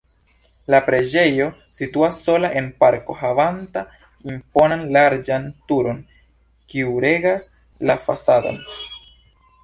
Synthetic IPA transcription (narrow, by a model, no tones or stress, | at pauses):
lapɾe̞d͡ʒe̞jo̞situasːo̞laʔe̞npaɾko̞ɦavanta | impo̞nanlaɾd͡ʒantuɾo̞n | kiuɾe̞ɡas | lafa̰sado̰n